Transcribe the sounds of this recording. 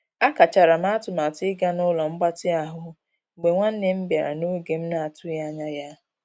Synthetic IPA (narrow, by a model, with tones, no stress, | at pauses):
a˦ka˨t͡ʃa˨ɾa˨m˦a˦tʊ˨ma˨tɪ˦ɡa˦nʊ˦lɔ˨ŋ͡m̩˦ɡ͡ba˦tɪ˦a˨ɦʊ˨ | ɡ͡be˨ŋʷa˦n̩˦ne˦m̩˦bja˨ɾa̰˨no˦ɡe˨m̩˦na˨a˨tʊ˦ja˦ɲa˦ja˦